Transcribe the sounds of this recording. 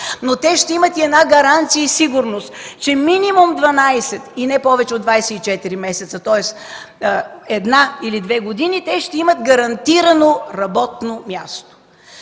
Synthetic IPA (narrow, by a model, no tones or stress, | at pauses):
not̪ɛʃt̪ɛimɐt̪iɛnaɡɐɾant̪sijəisiɡʊɾnost̪t͡ʃɛminimumd̪vɐnajsɛt̪inɛpɔvɛt͡ʃɛod̪d̪vajsɛit͡ʃɛt̪iɾimɛsɛt̪sət̪ɔɛs | ɛd̪nailid̪vɛɡod̪init̪ɛʃt̪ɛimɐt̪ɡɐɾɐnt̪iɾɐnoɾɐbɔt̪nomʲjast̪o̥